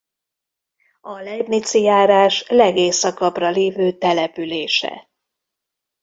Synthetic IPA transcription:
ɒlɛbnit̪sijaːɾaːʃlɛɡeːsɒkɒprɒleːvøːt̪ɛlɛpyleːʃɛ̰

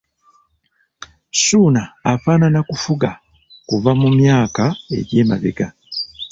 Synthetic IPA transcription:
suːnaːfaːnanakufuɡa | kuvamumjaːkae̞̰ɟe̞ːmaβḛɡa

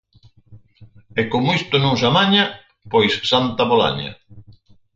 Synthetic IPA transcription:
ɛkomʊist̪ʊnõŋsamaɲa | pojsːant̪apola̰ɲa̰

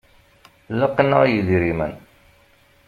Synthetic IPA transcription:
ləqːnəʁjəðɾimə̰n

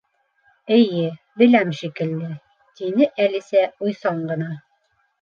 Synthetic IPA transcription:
ɘ̆jɘ | bɘ̆læmʃikɘ̆lːɘ | t̪inɘʔælisæujsɑɴɢɤ̆nɑ

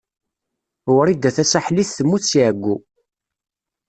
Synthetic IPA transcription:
wɾid̪æθæsaħliθθəmːuθsiʕəɡʷːu

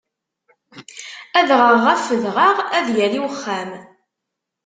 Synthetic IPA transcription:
æðʁəʁːæfəðʁɑʁæðjæliwəχːæm

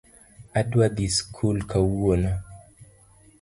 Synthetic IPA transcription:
adwad̪iskʰulkʰauona

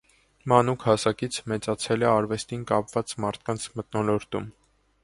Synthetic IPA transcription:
mɑnukʰhɑsɑkit͡sʰmɛt͡sɑt͡sʰɛlɛɑɾvɛst̪inkɑpvɑt͡smɑɾt̪ʰkɑnt͡sʰmət̪̚nɔlɔɾt̪um

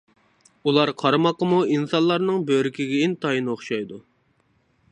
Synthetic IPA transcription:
ulˠɑɾqʰɑɾɨmɑqəmuinsɑnlˠɑɾnɨŋbøɾɪkʲiɡʲɛint̪ʰɑjinɨoχʃɑjd̪u

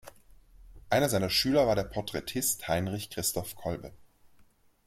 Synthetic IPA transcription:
ʔaɪnɐzaɪnɐʃyːlɐvaːɐɾeːɐpʰɔɐtʁ̥ɛtʰɪsthaɪnʁɪçkʁ̥ɪstʰɔfkʰɔlbə̰

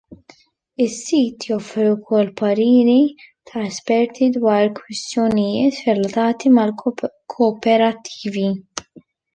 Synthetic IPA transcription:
ɪsːiːt̪jɔfɾiwʊkʰɔlːpɐɾiːɾit̪ʰɐɛspɛɾt̪ʰid̪wɐːɾkwɪst̪jɔnɪjɪːt̪ɾɛlɐt̪ɐːt̪imɐlkʰɔːpɛɾɐt̪ʰːi̥ːvi

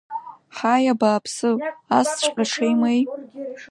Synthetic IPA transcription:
ħajabaːpʰsɨast͡ɕʷʰʼqʼaʂʰejmej

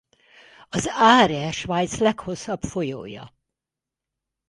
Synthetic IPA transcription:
ɒzaːɾɛʃʋajt̪slɛkho̞sːɒbfo̞jo̰ːjɒ̰

